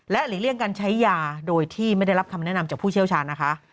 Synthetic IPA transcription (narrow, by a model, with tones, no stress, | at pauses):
lɛ˦˥liː˨˩˦li˥˩əŋkaː˧nt͡ɕʰa˦˥jːaː˧doː˧jt̪ʰiː˥˩ma˥˩jda˥˩jɾa˦˥p̚kʰa˧mnɛ˦˥na˧mt͡ɕaː˨˩k̚pʰuː˥˩t͡ɕʰi˥˩əwt͡ɕʰaː˧nːa˦˥kʰa˦˥ʔ